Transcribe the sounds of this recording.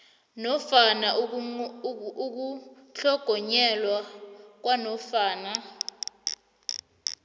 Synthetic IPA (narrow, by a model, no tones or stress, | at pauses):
nɔfana | k̬u | ɬʰɔɡ̥ʱɔɲɛlwak̬wanɔfaːna